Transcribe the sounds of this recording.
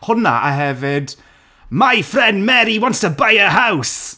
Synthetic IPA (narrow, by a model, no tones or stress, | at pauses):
hʊna̰ʔaɦɛvɪd | majfrɛnmɛɾiwɔntəbajəɦaws